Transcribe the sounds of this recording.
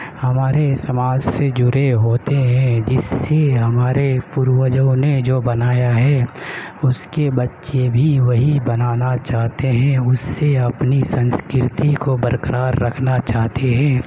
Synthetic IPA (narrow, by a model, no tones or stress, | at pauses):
hɐmaːɾesɐmaːd͡ʒsed͡ʒʊɾeɦoːt̪eɦɛ̃d͡ʒɪsːeɦɐmaːɾepʊɾwəd͡ʒəʊned͡ʒoːbɐnaːjaɦɛ | ʊskebɐtːʃebʱiʋɐɦibɐnaːnat͡ʃaːɦt̪eɦɛ̃ʊsːeɐpnisɐ̃nskɪɾɪt̪ikobəɾkɾʔaːɾːɐkʰnat͡ʃaːɦt̪eɦɛ̃ː